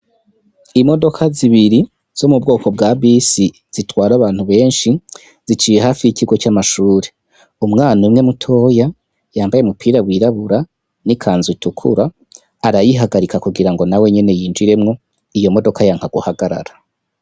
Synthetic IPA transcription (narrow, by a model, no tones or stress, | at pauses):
imo̞do̞kʰaziβiɾi | z̥omub̚ɡo̞ːko̞b̚ɡaːbisi | z̥itwaːɾaβaːn̥huβe̞ːnʃi | z̥it͡ʃiːjeɦaːfijikiɡo̞t͡ʃamaʃuːɾe̞ | umŋaːnumŋe̞mutʰo̞ːja | jaːmbajemupʰiːɾawiɾaβuɾa | nikʰaːnzutukʰṵɾaː | ɾajiɦaɡaɾikakuɡiɾaŋɡo̞nawe̞ɲe̞ne̞jiːnd͡ʒiɾe̞mŋo̞ | ijo̞mo̞do̞kajaːŋhaɡuhaɡaɾa̰ɾa